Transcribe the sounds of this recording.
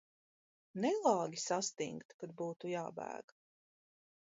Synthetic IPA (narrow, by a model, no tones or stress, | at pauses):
nɛlˠɑːɡʲisast̪iŋkt̪kad̪̚buːt̪ujaːbæ̰ːɡ̥